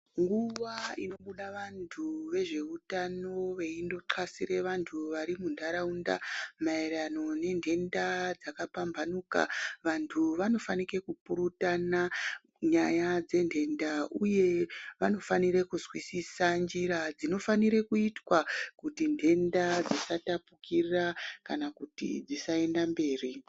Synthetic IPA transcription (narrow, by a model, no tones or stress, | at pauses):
ŋɡuʋaino̞ɓuɗaʋantʰuʋe̞ʐe̞utano̞ʋe̞indo̞ǁasiɾe̞ʋantʰuʋaɾimundaɾaunda̰maeɾano̞ne̞ndʱe̞ndad͡zakapambʱanuka̰ʋantʰuʋano̞fanike̞kupuɾutana | ɲajad͡ze̞ndʱe̞ndauje̞ʋano̞faniɾe̞kuzwisisand͡ʒiɾad͡zino̞faniɾe̞kuitwakutindʱe̞ndad͡zisatapukiakanakutḭd͡zisae̞ndambe̞ːri